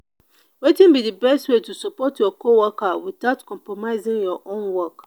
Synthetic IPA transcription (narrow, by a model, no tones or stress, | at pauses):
wetĩnbidibɛstwetusɔpɔtjɔkʰowɔkawiθaʊtkʰɔ̃mpɹɔmaɪzĩŋjɔʔõnwɔk